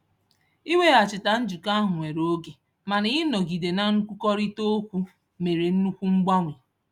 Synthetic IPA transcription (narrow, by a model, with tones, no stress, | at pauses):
i˦we˦˨a˨t͡ʃɪ˨ta˨n̩˦d͡ʒu˨ka˦ɦʊ˨ŋʷe˨ɾo˦o˦ɡe˨ | ma˨nɪ˨˦ɪ˦nɔ˨ɡi˨de˨na˨ŋ̩˦kʷu˦kɔ˦ɾi˦to˦kʷu˦ | me˨ɾe˨n̩˦nu˦kʷu˦ŋ͡m̩˦ɡ͡ba˦ŋʷe˨